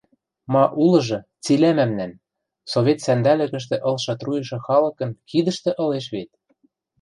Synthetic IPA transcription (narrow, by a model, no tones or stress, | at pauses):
mɑʔulɤ̆ʒɤ̆t͡silæmæmnæn | soβʲet̪sænd̪ælɘ̆kɘ̆ʃ̬t̪ĕʔɤ̆lʃɤt̪rujɤ̆ʃɤ̆xɑlɤ̆kɤ̆nkid̪ə̆ʃt̪ĕʔɤ̆leʃβet̪̚